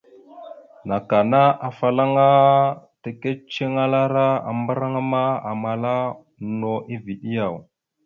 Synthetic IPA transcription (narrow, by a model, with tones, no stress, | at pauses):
na˨ka˨na˦ʔa˨fa˨la˦ŋa˦te˨ke˦t͡ʃe˦ŋa˦la˦ɾa˦a̰˨mbə˦ɾa˦ŋa˦ma˦a˨ma˨la˦ | no˨ʔi˦vi˨ɗi˦ja˨w